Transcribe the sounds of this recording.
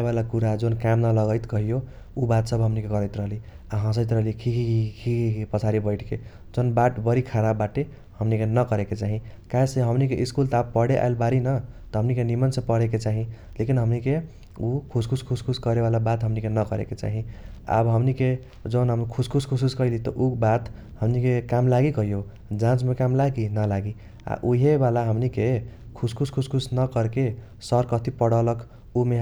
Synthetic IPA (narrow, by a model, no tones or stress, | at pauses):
ebalakuɾad͡zonkamnalʌɣʌjt̪kʌɦijo | ubat̪sʌbʱɦʌmnikekʌɾʌjt̪ɾʌɦliaɦʌ̃sʌjt̪̬ɾʌɦlikʰikikikʰikʰiipʌt͡sʰaɾibʌjʈʰkʰe | d͡zonbaʈbʌɾikʰaɾabːaʈe | hʌmnikenʌkʌɾeket͡saɦĩkaeseɦʌmnikeʔiskult̪ʌabpʌɽeʔa̰jlbaɾinʌt̪ʌɦʌmnikenimʌnsʰʌpʌɽek̬et͡saɦĩ | lekinɦʌmnike | ukʰuskʰuskʰuskʰuskʌɾebalabat̪ɦʌmnikenʌkʌɾḛket͡sa̰ɦĩa̰bɦʌmnike | d͡zʌnɦʌmukʰuskʰuskʰus̬uskʌilit̪ʌ̰ʔubat̪ | ɦʌmnikekamlaɡikʌjo | d͡zãt͡smekamlaɡinʌlaɡi | a̰ʔuɦebalaɦʌmnike | kʰuskʰuskʰuskʰusnʌkʌɾke | sʌɾkʌt̪ʰipʌɽʌlʌk | ume